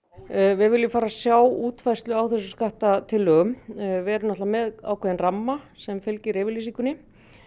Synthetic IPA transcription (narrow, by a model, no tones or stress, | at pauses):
vɪðvɪljʏfaːɾasjaːwuːt̪fajst̪lʏawθɛs̬ʏskaht̪at̪ʰɪlʏmvɛɾɪnɔht̪lamɛða̰wkʰvɛːðɪnramːasɛmfɪlcɪɾejvɪɾlisiŋkʏnɪ